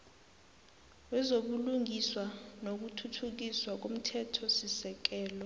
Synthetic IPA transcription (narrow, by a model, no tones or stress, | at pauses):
wɛzoɓuluŋʱiswanok̬utʰutʰuk̬iswak̬om̩tʰɛtʰɔsisɛk̬ɛːlɔ